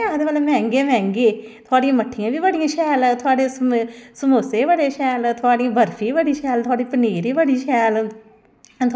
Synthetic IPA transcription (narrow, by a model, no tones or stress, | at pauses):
aːd̪eːbalẽmɛ̃ːŋɡemɛ̃ːŋɡeːt̪ʰʊaːɽĩãːməʈʰːɪjãːʋiːbəɽijãːʃʰɛːlt̪ʰʊaːɽeːssəmoːseːbəɽeːʃɛːlt̪ʰʊaːɽĩãːbəɾpʰĩːbəɽiːʃʰɛːlt̪ʰʊaːɽiːpəniːɾiːbəɽiːʃʰɛːl | t̪